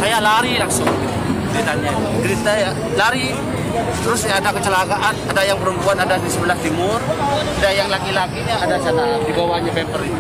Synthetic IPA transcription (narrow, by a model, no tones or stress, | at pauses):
sajalaɾilaŋsʊŋɡit̪u | ɾit̪anɲakəɾit̪aja | laɾi | t̪əɾʊsjaːdakət͡ʃəlakaʔanadajaŋpəɾumpuanadadisəbəlaht̪imʊradajaŋlakilakiɲaːdat͡ʃaɾadibawaɲabɛmpəɾi